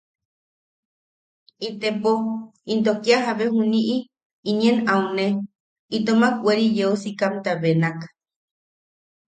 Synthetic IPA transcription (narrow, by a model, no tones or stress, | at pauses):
it̪epoint̪okiaɦaβeɦuniʔi | iɲenaune | it̪omakʷeɾijeusikamt̪aβenakḁ